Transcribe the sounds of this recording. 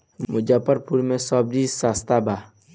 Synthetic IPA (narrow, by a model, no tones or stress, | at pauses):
mud͡ʒapɔɾpuɾmɛ̃sɔb̚disast̪aba